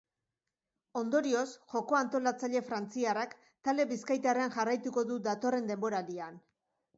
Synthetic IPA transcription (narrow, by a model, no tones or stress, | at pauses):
o̞nd̪o̞ɾio̞sʝo̞ko̞ant̪o̞lat͡saʎe̞fɾant͡siarak | t̪ald̪e̞βiskajt̪areanʝarajt̪uko̞ðud̪at̪o̞re̞nd̪e̞mbo̞ɾalian